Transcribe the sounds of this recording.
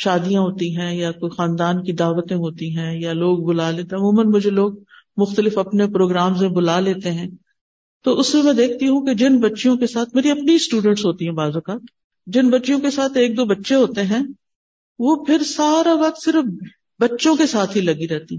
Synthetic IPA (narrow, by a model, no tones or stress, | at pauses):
ʃaːd̪ijãɦoːt̪iɦɛ̃jakoːixãːnd̪aːnkid̪aːʋət̪ẽɦoːt̪iɦɛ̃jaloːɡ̚bʊlaleːt̪eɐmũːmənmʊd͡ʒʱeloːɡ̚ | mʊxt̪əlɪfɐpnepɾoːɡɾaːmzẽbʊlaleːt̪eɦɛ̃ː | t̪oʊsemɛ̃ːd̪eːk̚ʰt̪iɦũked͡ʒɪnbɐtːʃijõkesaːt̪̚ʰmeːɾiɐpnisʈuːɖə̃ɳʈsɦoːt̪iɦɛ̃baːzokaːt̪ | d͡ʒɪnbɐtːʃijõkesaːt̪ʰeːk̚d̪oːbɐtːʃeɦoːt̪eɦɛ̃ː | ʋoːpʰɪɾsaːɾaʋɐq̚t̪sɪɾəf | bɐtːʃõkesaːt̪ʰɦilɐɡiɾɛɦt̪iɛ̃